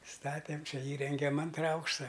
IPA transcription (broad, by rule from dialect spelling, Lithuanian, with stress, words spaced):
ˈstɑːtʲeːm ˈt͡ʃʲɛ ˈiːrʲɛŋʲɡʲɛm ˈɐntrɐ ˈɐʊkʃtɐ